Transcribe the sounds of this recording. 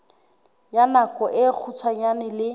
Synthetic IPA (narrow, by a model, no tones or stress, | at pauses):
janakɔʔɪk͡xʰut͡sʰwaɲanɪlɪ